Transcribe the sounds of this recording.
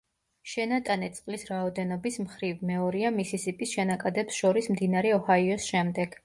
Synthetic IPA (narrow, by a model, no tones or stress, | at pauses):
ʃɛnat̪ʼanɛt̪sʼqʼlisɾaɔd̪ɛnɔbismχɾivmɛɔɾiamisisipʼisʃɛnakʼad̪ɛpsʃɔɾismd̪inaɾɛɔhaiɔsʃɛmd̪ɛɡ̥